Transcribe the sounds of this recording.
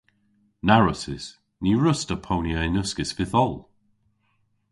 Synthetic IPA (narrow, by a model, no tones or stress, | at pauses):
naɹəsɪz̥ | niɹʊstəpʰownjaɪnʊskɪsfɪθɔlˠ